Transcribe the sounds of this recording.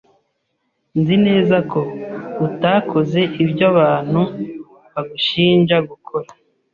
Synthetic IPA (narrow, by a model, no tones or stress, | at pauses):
nzine̞ːzako̞utaːkʰo̞ze̞ʔibɟaβaːn̥hu | βaɡuʃiːnʒaɡukʰo̞ɾa